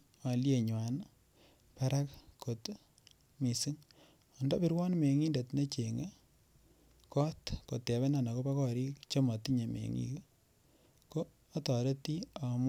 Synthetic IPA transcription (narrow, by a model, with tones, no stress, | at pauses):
wa˨lje˨ɲwa˨n | pa˦ɾa˦kko˨t | mi˨si˦ŋ | ɔ˨ndɔ˦pi˦ɾwɔ˦nme˨ŋi˦nde˨tne˦t͡ʃe˨ŋe˦ | kɔ˦tko˨tɛ˨βɛ˦na˨na˨ko˦pa˦kɔ˦ɾi˦kt͡ʃo˦ma˨ti˦ɲe˨mḛ˨ŋḭ˦k | koː˦ | tɔ˨ɾe˦ti˦a˨m˦